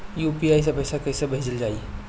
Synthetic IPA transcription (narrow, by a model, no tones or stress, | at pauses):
juːpiaːjs̬apɛːsakɐjsabʱeːd͡ʒəld͡ʒaːi